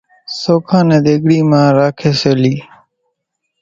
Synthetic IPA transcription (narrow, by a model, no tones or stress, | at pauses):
soːkʰãːnẽːd̪eːɡɽiːmãːɾaːkʰeːsoːliː